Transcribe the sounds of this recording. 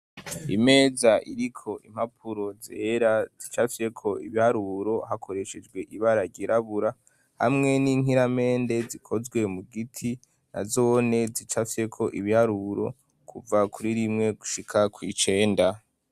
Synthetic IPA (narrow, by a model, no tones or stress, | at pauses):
ime̞ːzaʔiɾikʰo̞ʔim̥hapʰuɾo̞zeɾazit͡ʃafie̞kʰo̞iβihaɾuɾo̞ɦakʰo̞ɾe̞ʃe̞d͡ʒɡwe̞ʔiβaɾaɟiɾaβuɾa | ha̰mŋe̞niŋiɾame̞ːnde̞zikʰo̞zɡwe̞muɡitʰi | na̰zo̞ne̞zit͡ʃafe̞kʰo̞ʔiβihaɾuɾo̞̰ | kʰuvakʰuɾiɾimŋe̞ɡuʃikʰakwit͡ʃe̞ːnda